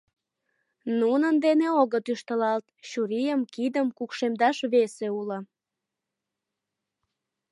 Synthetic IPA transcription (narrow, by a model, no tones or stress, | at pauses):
nunənd̪eneoɣət̪yʃt̪əlɑlt̪ɕuɾijəmkid̪əmkukʃemd̪ɑʃβeseulə̆